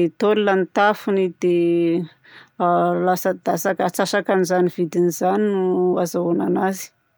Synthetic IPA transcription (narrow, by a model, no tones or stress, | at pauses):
et̪olilanit̪afunid̪̥e | alasəd̪asakat͡sasakanizanivid̪inizaninuazaonanazi̥